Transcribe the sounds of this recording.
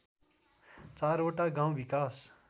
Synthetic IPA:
t͡saɾoʈaɡãw̃bikas

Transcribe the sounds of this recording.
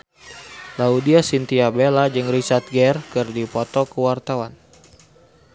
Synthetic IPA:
laudiasint̪iabelad͡ʒɨŋrisat̪̚ɡɛrkɨrdipɔt̪ɔkəwart̪awan

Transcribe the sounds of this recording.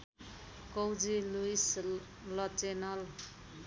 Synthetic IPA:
kʌwd͡ziluis | lʌt͡senʌl

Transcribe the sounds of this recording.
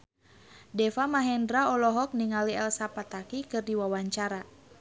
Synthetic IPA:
dɛfamaɦɛndɾaɔlɔɦɔk̚niŋaliɛlsapat̪akikɨrdiwawaɲt͡ʃaɾa

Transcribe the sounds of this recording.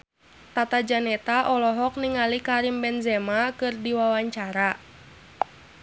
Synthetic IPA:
t̪at̪ad͡ʒanɛt̪aʔɔlɔɦɔk̚niŋalikaɾimbɛnzɛmakɨrdiwawaɲt͡ʃaɾa

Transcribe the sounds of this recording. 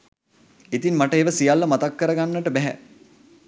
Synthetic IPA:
it̪inmaʈəeːʋəsijalːəmat̪akːəɾəɡanːəʈəbɛɦæ̰

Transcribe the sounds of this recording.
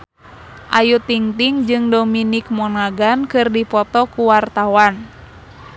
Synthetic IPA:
ʔajut̪iŋt̪iŋd͡ʒɨŋdɔminik̚mɔnaɡankɨrdipɔt̪ɔkuwart̪awan

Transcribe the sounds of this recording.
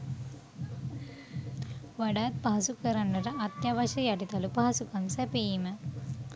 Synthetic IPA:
ʋaɖaːt̪̚paɦɐsukəɾɐɳɖɐɾəʔɐt̪jaʋɐʃɐjaʈit̪ɐlupaɦɐsukɐmsɛpejimə

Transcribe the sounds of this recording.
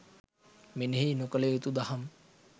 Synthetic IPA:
meneɦiːnokəlejut̪ud̪aham

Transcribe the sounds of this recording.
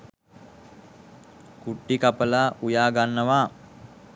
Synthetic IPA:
kuʈːikapəlaːʔujaːɡanːəʋaː

